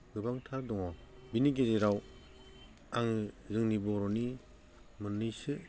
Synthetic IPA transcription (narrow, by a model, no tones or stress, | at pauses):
ɡɯbaŋtʰadɔŋabiniɡezeɾaw | aŋɯzɯŋnibɔɾɔni | mɯnːɯjsɯ